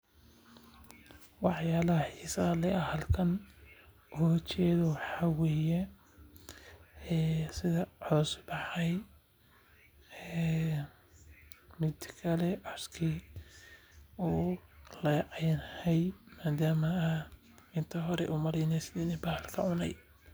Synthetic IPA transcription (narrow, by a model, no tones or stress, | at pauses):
wɑħjaːlɐhħisɐlɛʔɐhɐlkʰɐn | ʔʊht͡ʃɛːðɔwħɑwɛːjɛ | sɪðɐʕɔːsbɑħɑj | ɛ | mɪd̪kʰɐlɛʕɑskʰi | uːlɐjʕɑjnhɛjmaːd̪aːmɐɐ | ɪnt̪ʰɐɦɔɾɛ̰ʔʊmɐlɛjnɛsnɪnɛbɐhɐlkʰɐʕʊnɛ̰j